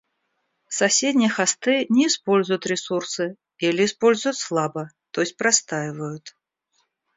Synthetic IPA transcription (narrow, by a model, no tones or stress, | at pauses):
sasʲed̪ʲnʲiɛxast̪ɨnʲɛispɔlʲzʊjut̪ɾʲɛsursɨ | ɛlʲɛispɔlʲzʊjut̪ʲslˠabɐ | t̪ɔsʲpɾast̪ajvɐjut̪